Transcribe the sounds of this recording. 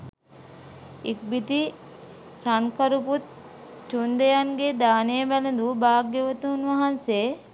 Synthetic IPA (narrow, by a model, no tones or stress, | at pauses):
ik̚bit̪i | ɾankɐɾuput̪̚ | t͡ʃund̪ejaŋɡed̪aːnebælend̪ubaːk̚ːeʋɐt̪unʋɐɦɐnseː